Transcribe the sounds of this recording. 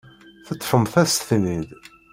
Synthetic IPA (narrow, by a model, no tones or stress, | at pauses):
θət̪ːfəmθæst̪θnið